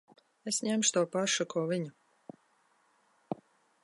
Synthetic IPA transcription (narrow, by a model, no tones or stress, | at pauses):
esɲæmʃt̪uɔːpaʃukuɔviɲu